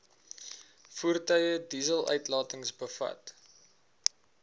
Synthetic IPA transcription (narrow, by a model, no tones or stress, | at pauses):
fuərtœjədiːzəlˠœ̰ɥtlɑːtəŋsbəfɐ̰t